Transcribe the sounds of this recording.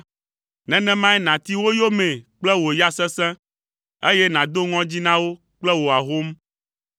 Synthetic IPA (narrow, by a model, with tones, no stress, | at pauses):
nɛ̃˨˦nɛ̃˦mã˦ɛ˦nã˨t̪i˦wo˦jo˦mɛ̃˨k͡plɛ˦wo˨ja˦sɛ̃˦sɛ̃˦ | e˦jɛ˦nã˨d̪o˦ŋɔ̃˦d͡ʑi˦nã˦wo˦ | k͡plɛ˦wo˨a˨ɦo˦m